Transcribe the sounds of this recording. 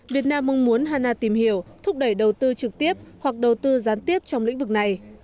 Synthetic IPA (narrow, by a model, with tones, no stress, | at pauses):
vi˨˩ət̚naː˧mːə˧ŋmu˨˦ənɦaː˧naː˧t̪i˧˩mhi˧˩˨əwt̪ʰʊ˦˥k͡p̚ɗə˧˩jɗə˨˩wt̪ɨ˧t͡ɕɨ˨˩k̚t̪i˦˥əp̚hwa˨˩k̚ɗə˨˩wt̪ɨ˧zaː˨˦nt̪i˦˥əp̚t͡ɕɔ˧wŋ͡mlḭ˧˥ŋ̟vɨ˨˩k̚na˨˩j